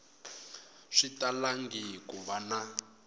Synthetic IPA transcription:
ʂitalaŋɡikuβana

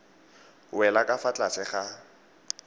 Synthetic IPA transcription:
wɛlakʼafat͡ɬʼat͡sʰɛχa

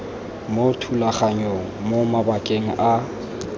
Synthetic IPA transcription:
motʰulaχaɲoŋ̩momabakʼeŋ̩ʔa

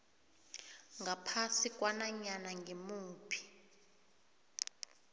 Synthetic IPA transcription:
ŋɡʱapʰasikʼwanaɲanaŋɡʱimuːpʰi̥

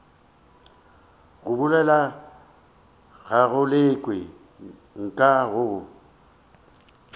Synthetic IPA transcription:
ɣʊbʊlɛla | ɣaɣʊlɪkʼwɪ | ŋ̩kʼaɣʊ

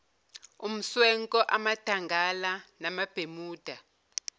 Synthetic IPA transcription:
um̩swɛŋkʼɔʔamad̥ʱaŋɡʱalanamab̥ʱemuːd̥ʱa

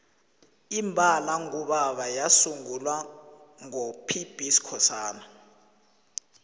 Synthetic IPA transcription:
imbʱalaŋuɓaɓajasuŋulwa | ŋopʰib̥ʱisi̥kʰɔsaːna

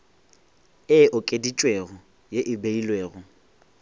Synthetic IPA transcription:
ɪʔʊkʼedit͡ʃʼweɣʊ | jeʔɪbeilweːɣʊ

